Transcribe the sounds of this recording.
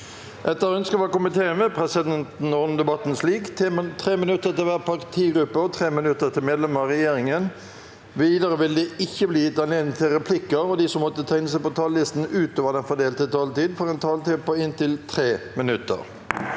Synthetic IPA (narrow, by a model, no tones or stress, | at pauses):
ʔɛt̪ːəɾœnskəʋɑkʊmənt̪ʰeːəmɛpʰʁɛsɪd̪ɛnt̪n̩ɔnəd̪ɛbɑt̪n̩sliːkt̪ʰet̪ʰʁeːmɪnʉt̪ːət̪ɪlʋæːʁpʰɑʁkt̪ʰiːɡɾʉpːəɔt̪ʰʁeːmɪnʉt̪ːət̪ʰɪlmeːd̪lɛməɾʁɛjeːɾɪŋən | ʋiːd̪əʁəʋɪld̪ɛɪçːəbliːt̪ɑneːnət̪ʰɪlʁɛpʰlɪkːəɾɔd̪isɔmːɔt̪ːət̪ʰɑɪnəs̬æɪpɔt̪ʰɑːllɪst̪n̩ʉːt̪oːʋəd̪ɛnfɔd̪eːlt̪ət̪ʰɑːlt̪iːd̪fɔʁɛnt̪ʰɑːlt̪iːd̪̚pɔɪnt̪ɪlt̪ʰʁeːmɪnʉt̪ə̰ʁ